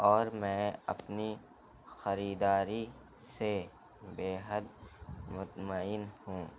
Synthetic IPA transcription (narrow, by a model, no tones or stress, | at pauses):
ɔːɾmɛ̃ːɐ̰pni | xɐɾiːd̪aːɾi | se | beːɦəd̪mʊt̪maɪnhũː